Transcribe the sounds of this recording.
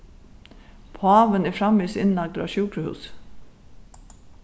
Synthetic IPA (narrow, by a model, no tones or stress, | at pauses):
pʰoɑːʋənæfɾɑmːisɪnlɑɡ̚d̪ʔa̰ɕuːkɾəhʉ̰ːs